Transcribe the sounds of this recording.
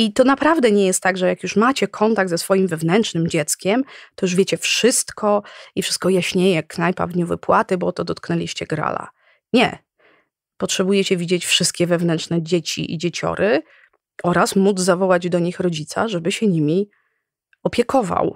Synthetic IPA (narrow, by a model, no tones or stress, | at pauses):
it̪ɔnapɾavd̪ɛɲɛjɛst̪ːaɡʐɛjakjuʂmat͡ɕɛkʰɔnt̪aɡd̪zɛsfɔjimvɛvnɛntt͡ʂnɘmd͡ʑɛt̪skʲɛmt̪ɔjuʐvʲjɛt͡ɕɛfʂɘst̪kʰɔifʂɘ̥st̪̚kɔjaɕɲejɛknajpa̰vd̪ɲuvɘ̰pwat̪ɘbɔt̪ɔd̪ɔt̪knɛlʲiɕt͡ɕɛɡɾa̰la̰ | ɲɛ̰ | pɔtʂɛbujɛt͡ɕɛvʲid͡ʑet͡ɕfʂɘst̪̚kʲɛvɛvnɛnt͡ʂnɛd͡ʑet͡ɕḭʔḭd͡ʑet͡ɕɔ̰ɾʔɘ | ɔɾasmud̪zzavɔwad͡ʑd̪ɔɲixɾɔd͡ʑit̪sa̰ʐɛbɘɕɛɲimʲi | ɔpʲjɛkɔva̰w